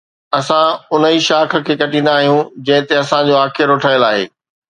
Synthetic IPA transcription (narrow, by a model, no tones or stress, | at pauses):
ɐsãʊnəiʃaːkʰə̆kʰeːkɐʈĩnd̪aːɦijũd͡ʑɐ̃ɦɪ̃t̪eɐsãd͡ʑoːaːkʰɪɾoːʈʰaːjəlaːɦḛː